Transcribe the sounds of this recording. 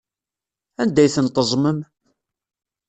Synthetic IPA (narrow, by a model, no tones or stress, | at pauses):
ænd̪æjθənt̪əzˤməm